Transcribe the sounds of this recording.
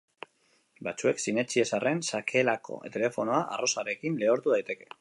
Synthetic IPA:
bat͡sue̞ksine̞t͡ʃie̞sarʔe̞nsakʰe̞lako̞̰t̪e̞le̞fo̞no̞aʔa̰ro̞saɾe̞kinle̞oɾt̪uð̞ajt̪e̞ke̞̥

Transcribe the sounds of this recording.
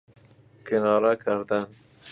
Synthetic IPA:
kɪnɑɾakaɾd̪an

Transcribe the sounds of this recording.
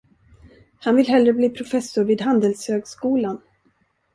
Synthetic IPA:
hanvɪlɦɛlɾəbliːpʰɾʊfɛsʊɾviːd̪hand̪əlshøːɡskuːlan

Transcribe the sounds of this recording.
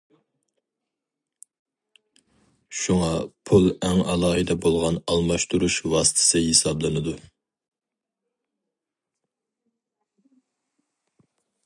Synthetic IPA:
ʃuŋɑpʰulˠɛŋɑlˠɑːɦɨd̪ɛbolˠʁɑnɑlˠmɑʃt̪ʰuɾuʃwɑːsɨ̥t̪ʰɪ̥sɨhesɑblˠɨnɨd̪u

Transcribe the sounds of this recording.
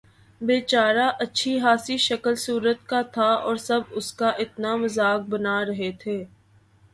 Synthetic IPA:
beːt͡ʃaːɾaʔɐtːʃʰiɦaːsiʃɐkəlsuːɾət̪kat̪ʰaɔːɾsɐbʊskaʔɪt̪namɐzaːk̚bɐnaːɾɐɦet̪ʰeː

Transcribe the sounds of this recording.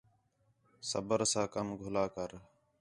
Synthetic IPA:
sə̰bəɾsãːkəmɡʱʊlaːkəɾ

